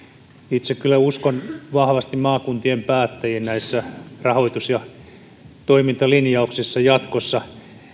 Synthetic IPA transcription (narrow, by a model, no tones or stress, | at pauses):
it̪sekkylːæuskonʋɑhʋɑst̪immɑːkunt̪iempæːt̪ːæjennæisːærɑhoit̪usjɑ | t̪oimint̪ɑlinjɑuksisːɑjɑt̪kosːɑ